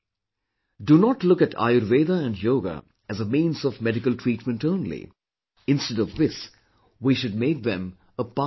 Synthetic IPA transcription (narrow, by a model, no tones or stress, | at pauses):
dunɔʈlʊkɨʈʰa̰ɪəɾveːd̪əæ̃nɖjoːɡə̰ | æzəmĩːnsɔvmɛɾɪkəlʈʰɹiːʈmə̃nʈõʊ̃nlḭ | ɪ̃nstɛɾɔvðɪs | wiʃʊd̚meːk̚ðɛ̃m | əpa